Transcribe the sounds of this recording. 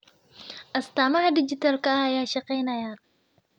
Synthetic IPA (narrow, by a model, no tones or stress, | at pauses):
ʔɐst̪aːmɐhɐdɪd͡ʒɪt̪ʰɐlkɐɐɐjaːʃɑqɛjnɐja